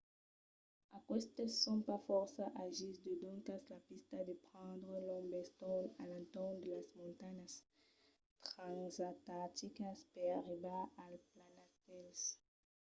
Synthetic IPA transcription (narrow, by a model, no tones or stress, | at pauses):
akwɛst̪eːɔ̃pafɔʁsaʔaʒisd̪ed̪ɔ̃ŋkaslapist̪ad̪epχɑ̃d̪ʁəlɔ̃mbɛst̪ɔ̃lalãnt̪ɔʁnd̪elasmɔ̃nt̪aɲas | t̪ʁãzat̪ãt̪ikaspeʁaʁibaalplanast̪ɛls